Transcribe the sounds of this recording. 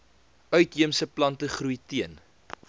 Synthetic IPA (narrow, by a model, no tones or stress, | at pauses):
œɥtɦiəmsəplɐntəχrɾujtiən